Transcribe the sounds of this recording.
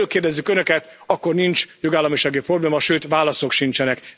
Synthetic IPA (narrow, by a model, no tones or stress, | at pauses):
øːkeːrdɛzːykønøkɛt̪ɒkːo̞rnint͡ʃjoɡaːlːɒmiʃaːɡipro̞bleːmɒʃøːt̪ʋaːlɒso̞kʃint͡ʃɛnɛk